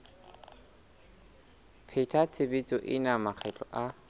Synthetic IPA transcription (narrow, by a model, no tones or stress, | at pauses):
pʰɪtʰat͡sʰebet͡sɔʔɪnamak͡xʰɛt͡ɬʼɔ̰ʔa